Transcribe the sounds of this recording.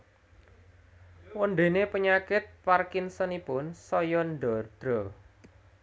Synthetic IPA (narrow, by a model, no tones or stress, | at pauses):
wɔnɖ̪e̤nepəɲakɪt̪̚parkinsɔnipʊnsɔjɔnɖɔrd̪̥ɾɔ